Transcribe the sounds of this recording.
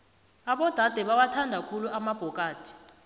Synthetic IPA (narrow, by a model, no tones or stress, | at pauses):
aɓɔd̥ʱad̥ʱɛɓawatʰandʱakʰuluʔamab̥ʱɔkʼaːtʰi̥